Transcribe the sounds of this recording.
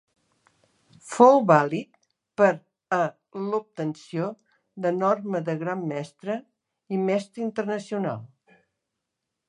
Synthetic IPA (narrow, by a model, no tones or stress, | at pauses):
fowβalit̪̚ | pəɾ | ə | lup̚t̪ənsio | ðənɔrməðəɣɾamːɛst̪ɾə | imɛst̪ɾəint̪ərnəsiuna̰lˠ